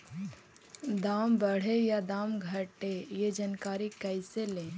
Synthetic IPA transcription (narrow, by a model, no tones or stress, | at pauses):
d̪aːmbəɽ̤ejad̪aːmɡʱɐʈejed͡ʒənkaːɾikəɪselẽː